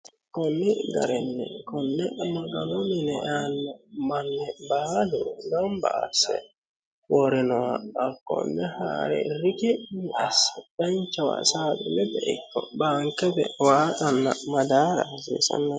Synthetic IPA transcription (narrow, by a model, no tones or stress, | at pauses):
kɔnːɛɡɐ̰ɾɛnːɛ̰kɔnːɛmaɡalɔminɛanːamanːɛbaːluɡamba̰ːsːɛ̰ | wɔɾɛnɔwaːkːɔ̰nːɛha̰ːɾɛ̰ɾikɛiasːɛtant͡ʃawa̰saːbɛnɛbɛʔikːɔbaːŋkɛbɛ̰waːtanːamad̪aːɾasḭsa̰nːa